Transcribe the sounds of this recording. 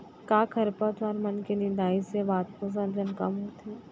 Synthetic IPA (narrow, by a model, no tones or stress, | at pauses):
kaːkʰɐɾpət̪aɾmɐnkenɪ̃nd̪aːiseʋaːt̪̚pos̬ə̃nd͡ʒənkə̰mɦoːt̪ʰiː